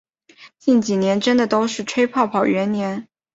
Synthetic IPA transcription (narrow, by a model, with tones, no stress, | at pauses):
t͡ɕi˥˩nt͡ɕi˨˩njɛ˧˥nʈ͡ʂə˥nd̪ə˨t̪o˥ʊʂɻ̩˥˩ʈ͡ʂʰwe˥ɪpʰɑ˥˩ʊpʰɑ˨˩ʊɥɛ˧˥nnjɛ˧˥n